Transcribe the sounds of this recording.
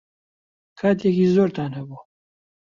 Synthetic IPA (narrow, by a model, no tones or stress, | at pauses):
kʰaːt̪ʰjɛkiːzoːɾt̪ʰaːnhɐbuː